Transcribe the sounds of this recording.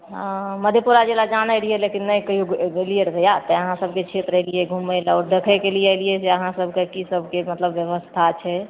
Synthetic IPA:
məd̪ʱjepuɾad͡ʒelad͡ʒanəjɾijelekinːəjkəijuelijeɾbʱəjat̪əəɦãsəbʱket͡ʃʰet̪ɾəɦlijeɡʱuməjlɔɾɖ̪əkʰekelijəlijɛseəɦãsəbʱkekisəbʱkemət̪ləbːjəʋəst̪ʰat͡ʃʰɛ

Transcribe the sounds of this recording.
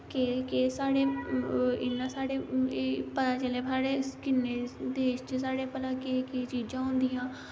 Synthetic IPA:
kekesaːɽeː | ɪnːãːsaːɽeːeːpət̪aːt͡ʃəlẽːaːɽeːkɪnːeːd̪eːʃt͡ʃsaːɽeːpət̪aːkeket͡ʃiːd͡ʒãːɦʊ̃nd̪iːjãː

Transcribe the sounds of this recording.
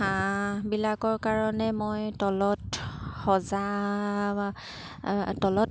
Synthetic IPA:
ãbilakɔɹkaɹɔnɛmojtɔlɔtxɔza | tɔlɔt

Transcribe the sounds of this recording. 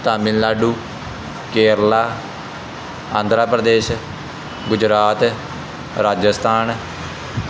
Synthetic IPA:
t̪aːmɪllaːɖuː | keːɾlaː | ãːnd̪ʱɾaːpɾəd̪eːʃ | ɡʊd͡ʒɾaːt̪ | ɾaːd͡ʒəst̪ʰaːn

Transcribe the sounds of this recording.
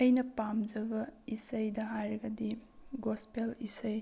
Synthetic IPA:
ɐjnɐpamd͡ʒɐbɐisɐjdɐɦajɾɐɡɐdiɡospelisɐj

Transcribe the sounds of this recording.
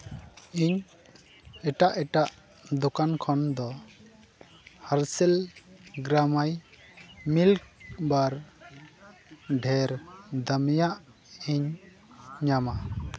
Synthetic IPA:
iɲ | ɛʈaʔɛʈaʔ | d̪ɔkankʰɔnd̪ɔ | haɾsɛlɡɾamaj | milk̚baɾ | ɖʱɛɾd̪əmijaʔ | iɲ | ɲama

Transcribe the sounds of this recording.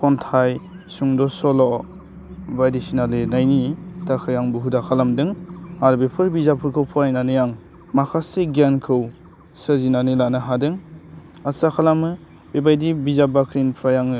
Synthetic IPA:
pʰɔntʰaj | suŋdɔsɔlɔ | bajdisinalenajnitakʰɯjaŋbuɦudakʰalamdɯŋaɾbepʰɯɾbizapʰɯɾkʰɯwpʰɔɾajnanɯjaŋ | makʰaseɡankʰɯw | sɯzinanɯlanaɦadɯŋ | asakʰalamɯ | bebajdibizabakʰɾinpʰɾajaŋɯ

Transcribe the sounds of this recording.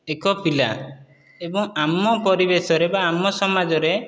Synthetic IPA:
ekɔpila̰ | ebɔŋamɔpɔɾibesɔɾebaːmɔsɔmad͡ʒɔɾe

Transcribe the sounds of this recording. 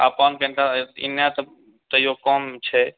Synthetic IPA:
a̰ːpaːnkɛ̃nt̪aɪnjãt̪ə | t̪əjokɔːmt͡ʃʰɛ

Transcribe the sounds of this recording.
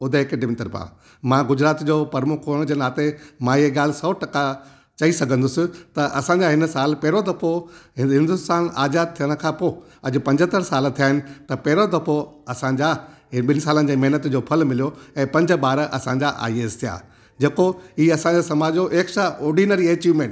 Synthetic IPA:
ʊd̪ʱeɦekeɖɪmɪʈəɾpã̰ː | mãːɡʊd͡ʑɾaːt̪d͡ʑoːpɐɾmʊkʰoːɽ̃d͡ʑenaːt̪emãiɦeɡaːl̤ɪsɐːʈɐka | t͡ɕɐisɐɡʱə̃nd̪ʊsɪ̆t̪ɐʔɐsãːɲd͡ʑaɦɪnsaːlpɛɦɾod̪ɐpʰoɦɦɪ̃nd̪ʊst̪aːnaːzaːd̪̚t̪ʰijəɽ̃̆kʰãːpoː | ɐd͡ʑʊ̆pɐ̃ɲd͡ʑʱɦət̪əɾsaːlt̪ʰijaːɦɪnɪ̆t̪ɐpɛɦɪɾod̪ɐpoɐsãɲd͡ʑaɦɪɓɪnsaːlənɪd͡ʑeːmɐɦnət̪d͡ʑoːpʰɐlmɪlijoɛ̃ːpɐ̃ɲd͡ʑɓaːɾʔɐ̰sãɲd͡ʑaʔa̰ːieːst̪ʰija̰ː | d͡ʑeːkoiːɐsãɲd͡ʑaːsɐmaːd͡ʑoʔeːksaʔɔːɾɖinəɾieːt͡ɕiːʋmẽːɳʈ

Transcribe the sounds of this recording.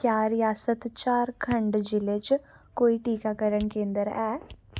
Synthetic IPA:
kjaːɾɪjaːsət̪t͡ʃaːɾkʰəɳɖd͡ʒɪlet͡ʃ | koːiʈiːkakəɾənkẽːnd̪əɾɛː

